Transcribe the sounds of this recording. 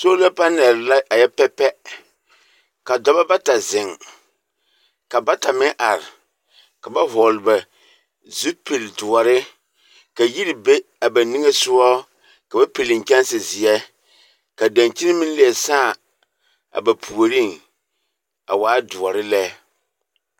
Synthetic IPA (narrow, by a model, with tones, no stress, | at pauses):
so˦la˦pa˦nɛ˨ɾla˦ʔa˨jɛ˦pɛ˦pɛ˦ | ka˨dɔ˦ba˦ba˦ta˨zɪ˨ŋ | ka˨ba˦ta˨mɪ˦ŋʔa˨ɾɪ˨ | ka˨ba˦ɦɔ˨lba˨ | zu˦pi˨ldʊ˨ɔ˨ɾɪ˦ | ka˨ji˦ɾi˨be˦ | a˨ba˨ni˦ŋe˦sʊ˦ɔ˦ | ka˨ba˦pi˨lɪ˨ŋ˨kɛ˦nsɪ˨zɪ˨ɛ˦ | ka˨da˨nt͡ʃi˦n˦mɪ˦n˦li˨˦ɛ˨saː˦˨ | a̰˨ba˨pʰu˨o˨ɾi˦ŋ | a̰˨waː˦dʊ˨ɔ˨ɾɪ˦lɛ˦